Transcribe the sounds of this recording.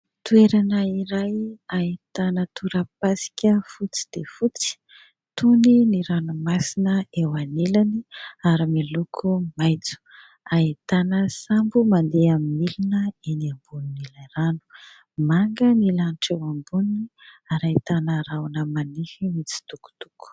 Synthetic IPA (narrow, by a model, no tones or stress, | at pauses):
t̪ueɾanəiɾajait̪anət̪uɾəpasi̥kʲəfut͡si̥d̪̥efut͡si̥ | t̪uniniɾanumasinəewanelaniaɾimilukʰumajt͡su̥ | ait̪anəsambumand̪eamimilinəeniambuninilaɾanu̥ | maŋɡənilanʈ͡ʂewambuniaɾait̪anəɾawnəmanifimit͡si̥t̪uku̥t̪u̥ku̥